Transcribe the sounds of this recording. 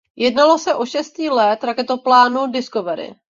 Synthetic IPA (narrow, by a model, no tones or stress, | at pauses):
jɛdnalo̞sɛʔo̞ʃɛst̪ciːlɛt̪ɾakɛt̪oplaːnudɪskovɛɾɪ̰